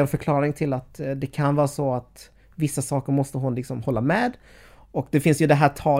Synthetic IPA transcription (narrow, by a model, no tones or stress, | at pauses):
ɛnfœɾkʰlɑːɾɪŋt̪ʰɪlːat̪d̪ɛkʰanvɑːɾasɔat̪ | vɪsːasɑːkəɾmɔst̪əɦʊnlɪksɔmhɔlːamɛːd̪ | ɔkd̪ɛfɪnsjɵd̪ɛɦæːtʰɑː